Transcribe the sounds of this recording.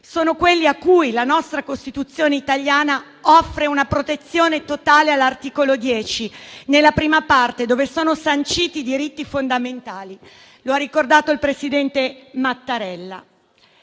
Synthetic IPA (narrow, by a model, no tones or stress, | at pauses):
soːnokwelːiakːujlanɔst̪ɾakost̪it̪ut̪sːjoːneit̪aʎjaːna | ɔfːɾeunapɾot̪et̪sːjoːnet̪ot̪aːlealːart̪iːkolod̪jɛːt͡ʃinelːapɾiːmapart̪ed̪oːvesoːnosant͡ʃiːt̪id̪iɾit̪ːifond̪ament̪aːli | loarːikord̪aːt̪oilpɾesid̪ɛnt̪emat̪ːaɾɛlːa̰